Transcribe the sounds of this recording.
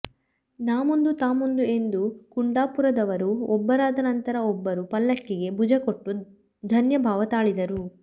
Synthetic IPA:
naːmond̪ut̪aːmond̪ue̞nd̪ukuɳɖaːpuɾɐd̪ɐʋɐɾuɔbːɐɾaːd̪ɐnɐnt̪ɐɾɐɔbːɐɾupɐlːɐkːiɡe̞bud͡ʒɐko̞ʈːu | d̪ʱɐnjɐbʱaːʋɐt̪aːɭid̪ɐɾu

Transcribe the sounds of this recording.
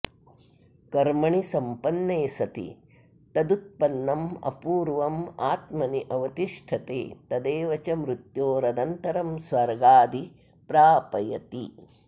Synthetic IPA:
kɐɾmɐɳisɐmpɐnːeːsɐt̪ḭ | t̪ɐd̪ut̪̚pɐnːɐmɐ̰puːɾʋɐma̰ːt̪mɐniʔɐʋɐt̪iʂʈʰɐt̪ḛːt̪ɐd̪eːʋɐt͡ʃɐmɾut̪joːɾɐd̪ɐnt̪ɐɾɐmsʋɐɾɡaːd̪i | pɾaːpɐjɐt̪ḭ

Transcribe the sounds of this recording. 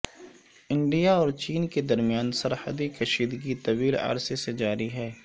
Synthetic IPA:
ɪ̃ɳɖijaɔːɾt͡ʃiːnked̪ɐɾmijaːnsɐɾhə̰d̪ikɐʃiːd̪ɡit̪ɐʋiːla̰ːɾsesed͡ʒaːɾiɦɛː

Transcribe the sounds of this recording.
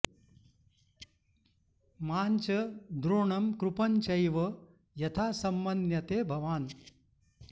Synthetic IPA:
maːnt͡ʃɐd̪ɾoːɳɐmkɾupɐɲt͡ʃɐjʋɐ | jɐt̪ʰaːsɐmbɐnjɐt̪eːbʱɐʋaːn

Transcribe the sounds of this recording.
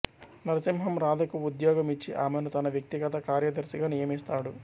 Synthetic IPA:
nɐɾɐsimɦɐmɾaːd̪ʱɐkuud̪jɔːɡɐmit͡ʃːiʔaːmenut̪ɐnɐʋjɐk̚t̪iɡɐt̪ɐkaːɾjɐd̪ɐɾsiɡaːnijɐmist̪aːɽu

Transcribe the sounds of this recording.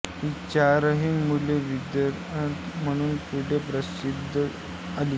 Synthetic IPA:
ɦiːt͡ɕaɾəɦinmuleʋid̪ja | t̪m̤əɽ̃uːnpuʈʰepɾəsid̪ʱːə | aliː

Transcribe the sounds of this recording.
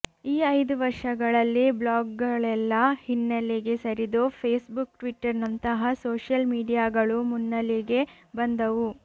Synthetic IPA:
iːɐjd̪uʋɐɾʂɐɡɐɭɐlːiblaːɡːɐɭɛlːɐhinːɐliɡe̞sɐɾid̪oːpʰeːsbukʈʋiʈːɐɾnɐnt̪ɐɦɐsoːʂjɐlmiːɖijaːɡɐɭumunːɐliɡe̞ | bɐnd̪ɐʋu

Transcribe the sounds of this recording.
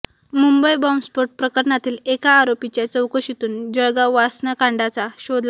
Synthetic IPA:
mumbəjbɔmspoʈ̚pɾəkəɾɳat̪iːlekaːɾopit͡ɕjat͡səwkoɕit̪uːnd͡ʑəɭɡaʋasnakaɳɖat͡saɕod̪la

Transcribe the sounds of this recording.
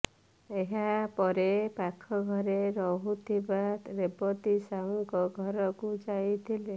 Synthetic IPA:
eɦapɔɾepakʰɔɡʱɔɾeɾɔɦut̪ʰibat̪ɾebɔt̪isaɔŋkɔɡʱɔɾɔkud͡ʒajt̪ʰile

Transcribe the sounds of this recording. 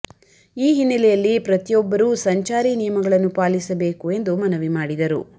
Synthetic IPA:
iːɦinːɐlɛjɐlːipɾɐt̪ijɔbːɐɾuːsɐɲt͡ʃaːɾinijɐmɐɡɐɭɐnːupaːlisɐbeːkue̞nd̪umɐnɐʋimaːɽid̪ɐɾṵ

